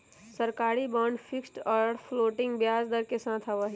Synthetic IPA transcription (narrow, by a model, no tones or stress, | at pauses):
səɾkaːɾibəɳɖpʰiksʈɔɾpʰloːʈɪ̃ŋɡbjaːzd̪əɾkesãːt̪ʰɐʋaɦi